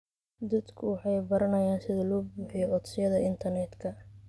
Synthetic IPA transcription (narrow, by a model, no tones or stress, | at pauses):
d̪ɐd̪kʰʊwɑħɑjbɐɾɐnɐjaːnsɪðɐlɔːbuːħɪjɔʔɔt̪sɪjɐðɐɪnt̪ʰɐrnɛd̪kʰɐ